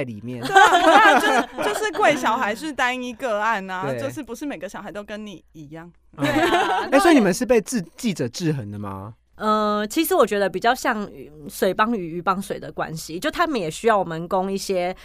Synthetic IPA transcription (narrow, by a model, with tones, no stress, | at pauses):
ɪli˨˩mjɛ˥˨n˧˥˩ | t͡ɕjo˥˧ʊʂɻ̩˥˧kwe˥˩ɪɕjɑ˨˥ʊxa˧˥ɪʂɻ̩˥˧t̪a˥i˥ŋi˧˥kə˧˩a˥˩na˨e˧˥˩t͡ɕjo˥˧ʊʂɻ̩˥˩pu˧˥ʂɻ̩˥˩me˨˩ɪɡə˨ɕɑ˨˦xa˧ɪo˥ʊkə˦nni˨˩i˧˥jɑ˥˩ŋ˧ | e˧˥˩wɔ˧˥i˨˧ni˨˩mə˨˦nʂɻ̩˥˧p̬e˥˧ɪt͡sɹ̩˥˧t͡ɕi˥˩ʈ͡ʂə˨˩ʈ͡ʂɻ̩˥˨xə˧˥ŋd̪ə˨ma̰˨ | ə˧t͡ɕʰi˧˥ʂɻ̩˧˥wɔ˨˩t͡ɕɥɛ˧˥d̪ə˧pi˨˩t͡ɕjɑ˥˧ʊɕjɑ˥˩ŋ˨˩swe˨˩ɪpɑ˥ŋy˨˩y˧˥pɑ˥ŋswe˨˩ɪd̪ə˨kwa̰˦nɕi˨˦t͡ɕjo˥˩ʊt̪ʰa˥mə˨njɛ˨˩ɕy˥jɑ˥˩ʊwɔ˨˩mə˨nko˦ŋi˥˩ɕjɛ˦